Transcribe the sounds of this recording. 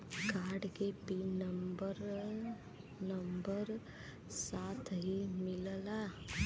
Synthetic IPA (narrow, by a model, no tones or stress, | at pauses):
kaːɾɖkepinəmbəɾ | nəmbəɾ | saːt̪ʰɦimɪlla